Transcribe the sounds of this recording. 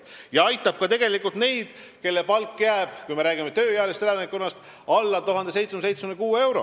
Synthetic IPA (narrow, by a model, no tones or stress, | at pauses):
jɑɑjt̪ːˑɑb̥̚kɑt̪e̞ɡ̥e̞likːˑult̪ne̞jd̪̥ | ke̞lːe̞pɑlkːjæːb̥kujme̞ɾæːɡ̥imet̪ø̞ːjæːlest̪elenekːonːɑst̪ | ɑlːɑt̪uɦɑnd̪es̬e̞jt̪smnse̞jt̪smymnkuːe̞wɾo̞̰